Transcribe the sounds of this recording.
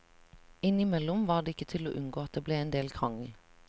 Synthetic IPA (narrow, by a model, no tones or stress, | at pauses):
ɪnɪmɛlʊmʋɑːʁd̪eːɪkət̪ʰɪlo̰ːʔʉnɡoːɑt̪̚d̪eːbleːeːnd̪eːlkʰʁɑŋəl̩